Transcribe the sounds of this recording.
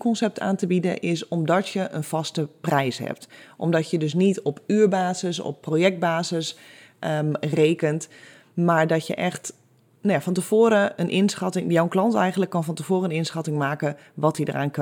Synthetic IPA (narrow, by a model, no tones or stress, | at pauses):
kɔnsɛp̚tʰa̰ːntəbidə̰ʔɪsɔmdɔtjəʔənfɑstəprɛjshɛ̰p̚tʔɔ̰mdɔtjədøs̬nitɔpyːɹbaːzəsɔ̰pːroːjɛk̚d̚baːzəs | reːkənt | maːɹdɔtjə̰ʔɛxt | najafɔntəfoːɾəənʔɪnsxɑtɪŋjɔwəklɑntɛjɣəndləkːɔnfɔntəvoːrəənɪnsxɑtɪŋmaːkə | ʋɔtidə̰rʔaːnk